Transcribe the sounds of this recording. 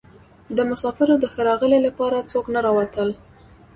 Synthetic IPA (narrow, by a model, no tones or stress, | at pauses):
d̪əmʊsɑfɪɾod̪əxəɾɑɣəlelapɑɾat͡soknaɾɑwat̪əl